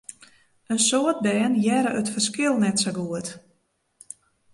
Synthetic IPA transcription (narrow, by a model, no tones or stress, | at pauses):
ənsoət̚bɛːnjɛɾəʔətfərskɪlˠnɛtsaɡuət